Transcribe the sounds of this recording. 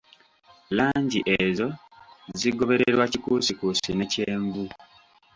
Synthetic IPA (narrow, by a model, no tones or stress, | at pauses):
laːɲɟiʔe̞zo̞ | ziɡo̞βe̞ɾeɾwacikusikusine̞ce̞ːɱvu